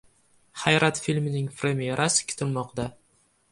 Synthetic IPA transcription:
hajɾat̪filʲmɪnɪŋfɾemʲeɾʔasɪ̥kʲʰɪ̥t̪ɪlmɒqd̪a

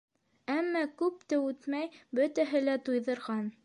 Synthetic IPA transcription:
æmːɑkʉp̚t̪ɘʉt̪mæjbɵ̆t̪æɦɘlæt̪ujðɤ̆ɾʁɑn

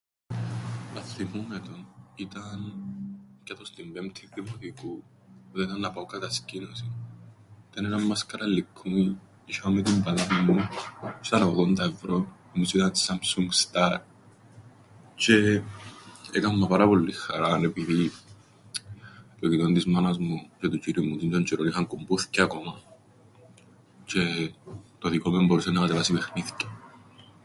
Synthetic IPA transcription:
nɐθːimumet̪onit̪ɐn | cɐt̪ost̪imbemt̪ʰiðːimokiku | ot̪eit̪ɐnːɐpaokɐt̪ɐscinosi | it̪ɐneɾɐmːɐskɐɾɐlːikʰːun | iʃɐomet̪̬imbɐlɐmimːusɐnɐoðont̪ɐevɾo | misit̪ɐnsamsuŋɡst̪ɐɾ | t͡ʃe | ḛkamːapaɾapo̞lːixːa̰ɾanepiði | kok̪it̪ont̪izmanazmut͡ʃet̪ut͡ʃiɾimut̪int̪ond͡ʒiɾonixaŋkumbuθceakomɐ | t͡ʃe | t̪o̞ðikomemboɾusenakat̪evasipexniθce̥

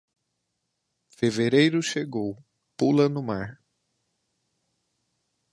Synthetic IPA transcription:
feveɾejɾʊʃeɡow | pulɐnʊmaɾ

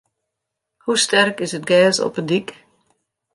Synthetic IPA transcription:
hustɛrkɪsət̚ɡɛːsɔ̰pəndik

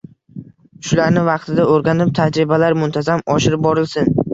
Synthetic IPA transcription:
ʃʊlaɾnɪvɑq̚t̪ʰɪd̪aoɾɡʲanɪp̚t̪ʰad͡ʒɾɪbalaɾmʊnt̪ʰazamɒʃɪɾɪp̚bɒɾɪlsɪn

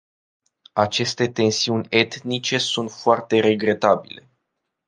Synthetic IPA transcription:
at͡ʃe̞st̪e̞t̪e̞nsiunʲe̞t̪nit͡ʃe̞sunt̪foart̪e̞ɾe̞ɡɾe̞t̪abile̞

